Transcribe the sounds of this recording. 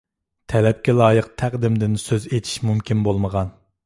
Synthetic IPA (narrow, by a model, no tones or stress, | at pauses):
t̪ʰɛlɛp̚kʲɛlˠɑːjəqt̪ʰæqd̪ɪmd̪ɪnsøzet̪ʰi̥ʃmumkʲinbolˠməʁɑn